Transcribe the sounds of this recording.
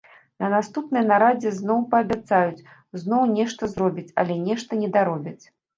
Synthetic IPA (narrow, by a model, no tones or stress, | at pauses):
nɐnast̪upnɨjnaɾad͡zʲɛznɔwpɐːbʲat̪sajut͡sʲ | znɔwnʲɛʂt̪ɐzɾɔbʲit͡sʲɐ̰lʲɛnʲɛʂt̪ɐnʲɛd̪aɾɔbʲit͡sʲ